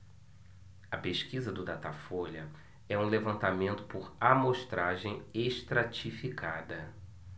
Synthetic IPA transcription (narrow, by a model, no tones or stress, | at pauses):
ɐpeʃkizɐd̪ʊd̪at̪afoʎɐ | ɛũlevɐ̃nt̪amẽnt̪ʊ̥pʊɾamoʃt̪ɾaʒẽj̃eʃt̪ɾat͡ʃifikʰad̪ɐ